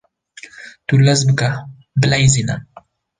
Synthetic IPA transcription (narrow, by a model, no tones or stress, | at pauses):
t̪ulazbəka | bɪlajzina̰